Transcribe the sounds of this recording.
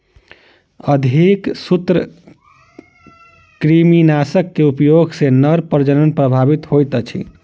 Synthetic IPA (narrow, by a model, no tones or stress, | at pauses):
əd̪ʱiksut̪ɾə | kɾiminasəkːeupjoɡsenəɾpəɾd͡ʒənənpɾəbʱabit̪ɦojt̪ət͡ʃʰḭ